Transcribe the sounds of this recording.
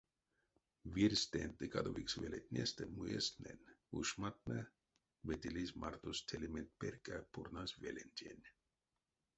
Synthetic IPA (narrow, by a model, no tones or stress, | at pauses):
ʋirʲst̪ent̪ɨkad̪oʋiksʋelet̪ʲnʲest̪emujesnenʲuʃmat̪̚na | ʋet̪ʲilisʲmart̪ost̪ʰeliment̪̚perkapʰurnasvelenʲt̪ʲenʲ